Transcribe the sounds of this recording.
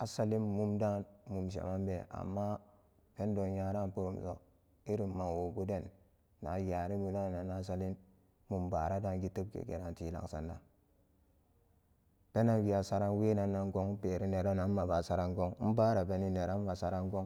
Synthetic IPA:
a˨sa˦li˦mmu˦mda˦nmu˨mʃ̬a̰˨ma˦mbe˨a̰˨mːa˦ | pe˦ndo˨ja˦ɾa˦˨npu˦ɾu˨mso̰˨ | i˦ɾi˨mːa˨wo˨ɡu˦de˦˨nː | a̰˨ja˨ɾi˦mu˨na˦˨na˨na˦sa˦li˦n | mu˨mba̰˨ɾa˦da˦nɡi˦tə˦b̚kḛ˨ɡḛ˨ɾa˨nti˦la̰˨ksa̰˨nda̰˨ | pe˦na˦nwi˨a˨sa˦ɾa˦nwe˦na˨nːa˦ŋko˦ŋ˦pe˨ɾi˦ne˨ɾa˦na˦nː˦a˨ba˨sa˦ɾa˦ŋɡo˦ŋ˦m̩˦ba˦ɾa˨pe˨ni˦ne˨ɾa˦nma˨sa˨ɾa˦ŋɡo˦ŋ

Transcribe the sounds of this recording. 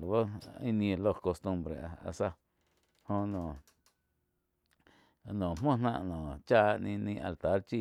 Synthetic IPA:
bo˦ĩ˦nĩ˧e˧lo˧˨ko˧st̪ũ˧mbɾḛ˨˧a̰˧sa˧ | hõ˧nõ˨ | nõ˨m̥õ˦nã˧ʔnõ˨t͡ʃaː˦˧ʔnĩ˧nĩ˧ʔa̰˧lt̪a˨˦ɾt͡ʃi˦˧

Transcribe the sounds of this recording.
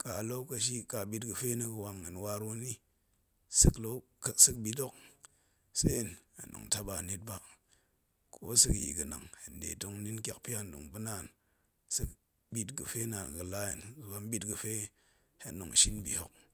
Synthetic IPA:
ka˨lo˦ka˨ʃ̬i˦ka˨bi˦tɡɨ˨fe˦nə˦kə˨wa˨ŋə˨nwa˦ɾu˦ni˦ | sɨ˦klo˦˨ | sɨ˦kbi˨do˦k̚ | se˦i˨na̰˨no̰˨ŋta˦ba˨ne˦t̚ba˦ | kʰo̰˦sɨ˦kḭ˨ɡə˨na̰˨ŋhe˨ndḛ˨to˦ŋni˦nkʲa˨k̚pi˦ja˦˨ndṵ˨ŋbɨ˦na˨n | sɨ˦k | bi˦tɡɨ˨fe˦na˨n˨ɡɨ˨la˦jḭ˨nzba˦mbi˦tɡɨ˨fe˦ | hḛ˨no̰˨ŋ˨ʃi˦nbḭ˨ho̰˦k̚

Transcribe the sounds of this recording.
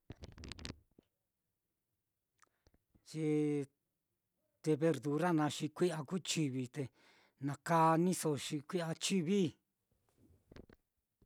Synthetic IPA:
t͡ʃi˧ | t̪e˧βe˧ɾðu˨ɾa˦nã˧ʃi˧kʷi˦ʔa˧ku˦t͡ʃi˧βi˧t̪e˧ | nã˨˧ka˦nĩ˦so˧ʃi˧kʷi˦a˧t͡ʃi˦βi˦

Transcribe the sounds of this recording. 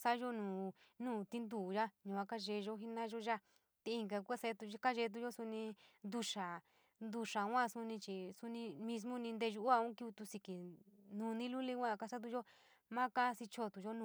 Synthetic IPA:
sa˦ʒo˦nũː˨nũː˦˨t̪i˦nd̪uː˨ʒa˦ɲũ˨a˦ka˦ʒe˧ʒo˦ɦi˦nã˦ʒo˦ʒa˦˨ | t̪i˧i˧ŋɡa˧ku˦a˧se˧˦t̪u˧ka˦ʒe˧˦˧t̪̬u˧ʒo˦su˧nĩ˧nd̪u˧ʂa˨ | nd̪u˧ʂa˨˦ã˦˨su˧nĩ˧t͡ʃi˨su˧nĩ˧mĩ˧s̬mõ˦nĩ˧nd̪e˧ʒu˧ʔa˧ũ˦ki˧i˧t̪u˧si˧ki˨nũ˧nĩ˦lu˦li˧kʷã˦˨ka˧sa˦t̪̬u˧ʒo˦ | mã˦ka˦˧si˧t͡ʃʰo˧t̪u˨ʒo˦nũ˧

